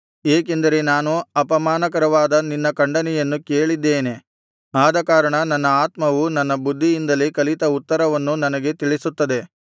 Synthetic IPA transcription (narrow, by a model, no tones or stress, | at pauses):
eːk̬end̪ɐɾe̞naːnuɐpɐmaːnɐkɐɾɐʋaːd̪ɐninːɐkɐɳɖɐnɛjɐnːuke̞ːɭid̪ːe̞ːne̞ | aːd̪ɐkaːɾɐɳɐnɐnːɐaːt̪mɐʋunɐnːɐbud̪ʱːijind̪ɐlekɐlit̪ɐut̪ːɐɾɐʋɐnːunɐnɐɡet̪iɭisut̪ːɐd̪e̞